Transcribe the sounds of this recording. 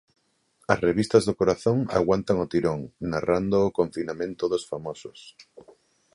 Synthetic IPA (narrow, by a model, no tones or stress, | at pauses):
ɐsreβ̞ist̪ɐzðokoɾaθoŋa̰ɣwant̪aŋot̪iɾoŋnarand̪oːkoɱfinamẽnt̪oðosfamosos